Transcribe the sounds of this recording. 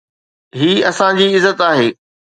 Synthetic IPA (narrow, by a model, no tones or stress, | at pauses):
ɦiːɐsãd͡ʑiːɪzːət̪aːɦeː